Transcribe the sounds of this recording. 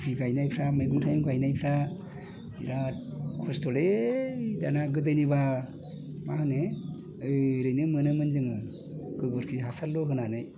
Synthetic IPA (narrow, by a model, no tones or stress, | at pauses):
pʰiɡajnajpʰɾamajɡuŋtʰajmɡajnajpʰɾa | ḭɾakʰɔstʰɔle | danaɡɯdɯjniβa | mahɯne | ɯɾɯjnɯmɯnɯmɯnzɯŋɯ | ɡ̥ɯɡɔɾkʰiɦasalːɔɦɯnanɯj